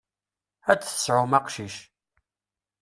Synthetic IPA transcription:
æt͡sːθə̥sʕʊmæqʃiʃ

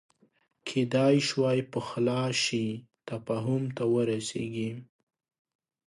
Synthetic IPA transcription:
kʰed̪ɑjʃwɑjpəxlɑʃit̪afɑɦʊmt̪awəɾasḛɡi

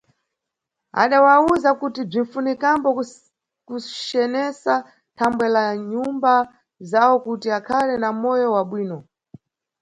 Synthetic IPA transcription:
a̰ɗawauzakutib͡ʐin̩funikambɔ | kut͡ʃɛnɛsa | tʰambwɛlaɲumba | zawɔkutiakʰalɛnamɔjɔwaɓwiːnɔ

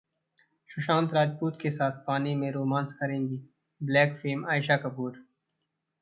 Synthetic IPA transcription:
ʃʊʃãːnt̪ɾaːd͡ʒpuːt̪kesaːt̪̚ʰpaːnimẽɾoːmãːnskɐɾẽːŋɡiː | blɛːkfeːmaːɪʃakɐpuːɾ

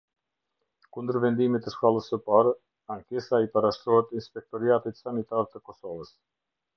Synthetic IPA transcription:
kund̪əɾvɛnd̪imit̪ɛʃkalˠəsːəpaɾ | aŋkɛsaipaɾaʃt̪ɾɔhɛt̪inspɛk̚t̪ɔɾiat̪it̪sanit̪aɾt̪əkɔsɔvəs

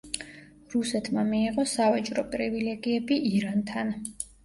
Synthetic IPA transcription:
ɾusɛt̪ʰmamiːʁɔsavat͡ʃʼɾɔpʼɾivilɛɡiɛbiʔiɾant̪ʰan

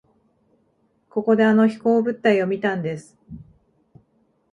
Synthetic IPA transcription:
ko̞ko̞d̪e̞ano̞çi̥ko̞ːbɯ̟t̪ːaio̞mʲit̪ãnd̪e̞sɨ̥

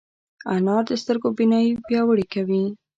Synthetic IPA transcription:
anɑɾd̪əst̪əɾɡobinɑjipjɑwəɽikawi

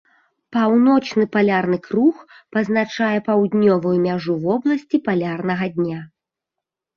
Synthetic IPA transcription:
pawnɔt͡ʂnɨpalʲarnɨkrux | pɐznat͡ʂajɛpawd̪ʲnʲɔvɐjumʲaʐuvɔblˠɐsʲt͡sʲipalʲarn̪ɐɣɐd̪ʲnʲa

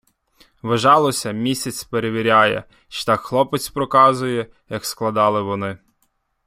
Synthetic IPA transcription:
ʋɐʒɑlˠɔsʲɐmʲisʲɐt͡sʲpeɾeʋʲiɾʲɑjɛ̰ | ʃt̪ɑkxlˠɔpet͡sʲpɾɔkɑzʊjɛ | jɐksklˠɐd̪ɑlˠɪʋɔnɪ

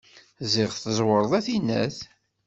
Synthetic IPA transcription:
ziʁθəzˤwəɾˤðˤæθinːæ̰θ

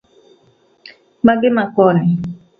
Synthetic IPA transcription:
maɡɪmakɔnɛ

